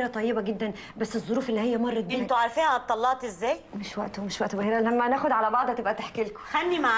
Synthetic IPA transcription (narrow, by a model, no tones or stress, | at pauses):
ɾæt̪ˤɑjːebæɡed̪ːæn | bæsːezˤːoɾuːfʔelːiːhejːæmɑrˤːɑd̪ent̪ʊʕaɾˤfiːnæt̪ˤːɑlːɑʔt̪ʔezːæːjmɪʃwæʔt̪omɪʃwæʔt̪obheːɾælæmːænæːxod̪ʕalæbɑʕd̪ˤhæt̪ebʔæt̪aħkelko̥xænːimaʕ